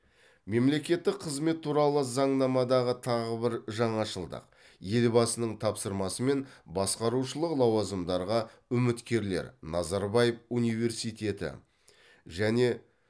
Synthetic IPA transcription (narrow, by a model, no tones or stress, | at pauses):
me̞mle̞kʲe̞t̪ːɪkqʰəzme̞t̪ʰːuɾɑlˠəzɑɴnɑmɑd̪ɑʁət̪ʰɑʁəbɪɾʒɑɴɑʃəlˠd̪ə̰q | je̞lbɑsənəɴt̪ʰɑpsəɾmɑsəme̞nbɑsqɑɾuʃəlˠəqlˠɑwɑzəmd̪ɑɾʁɑʏmɪt̪kʲe̞ɾle̞̰ɾnɑzɑɾbɑjefunijve̞ɾsijt̪ʲe̞t̪ɪ̰ | ʒæne̞